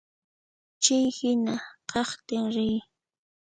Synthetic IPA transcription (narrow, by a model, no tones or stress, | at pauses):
t͡ʃɪjhɪnaqɑχt̪ɪŋɾɪj